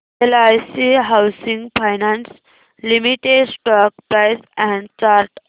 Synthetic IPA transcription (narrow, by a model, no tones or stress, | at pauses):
elajsiɦawsĩŋɡfajnãns | limiʈeɖsʈɔk̚pɾajsɛ̃ɳɖt͡ɕaɾʈ